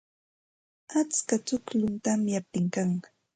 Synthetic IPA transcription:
at͡skat͡sʊklʊnt̪amjap̚t̪ɪŋkaŋ

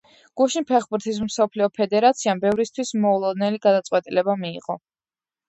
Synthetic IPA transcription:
ɡ̥uʃinpʰɛχbuɾt̪ʰis̬msɔpʰliɔpʰɛd̪ɛɾat̪sʰiambɛvɾist̪ʰwismɔulˠɔd̪nɛliɡad̪at̪sʼqʼwɛt̪ʼilɛbamḭːʁɔ

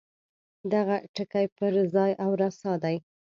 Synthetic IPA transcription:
d̪aɣaʈəkajpəɾzɑjʔawɾasɑd̪aj

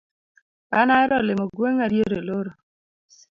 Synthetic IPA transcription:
anaɛɾɔlɪmɔɡweŋaɾjeɾeloɾo

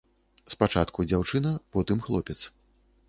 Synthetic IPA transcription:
spat͡ʂat̪kud͡zʲawt͡ʂɨnɐpɔt̪ɨmxlˠɔpʲɛt̪s

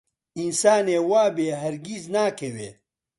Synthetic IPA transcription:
insaːneːwaːbeːɦɐɾɡiznaːkʰɐwḛː

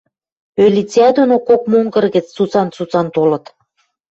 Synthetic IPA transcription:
ølʲit͡sʲæd̪onokok̚moŋɡɤ̆rɣɘ̆t͡st͡sut͡sɑnt͡sut͡sɑnt̪olɤ̆t̪

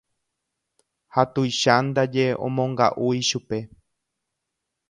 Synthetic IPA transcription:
hat̪ujʃand̪ad͡ʒe̞õ̰mõ̞ŋɡa̰ʔujʃupe̞

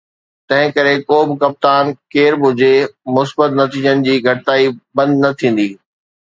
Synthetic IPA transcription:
t̪ɐ̃ɦɪ̃kɐɾekoːbɪ̆kɐp̚t̪aːnkeːɾbʱʊd͡ʑemʊsbət̪nɐt̪iːd͡ʑənɪ̆d͡ʑiːɡʱɐʈɪt̪aːibɐ̃nd̪nɐt̪ʰĩːn̆d̪iː

